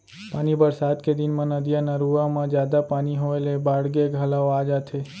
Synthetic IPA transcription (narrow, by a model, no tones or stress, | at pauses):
paːnibəɾsad̪ked̪inmãnəd̪ijanaɾuʋamãd͡ʒjad̪apaniɦoelebaɽɡeɡʱalaoad͡ʒat̪ʰe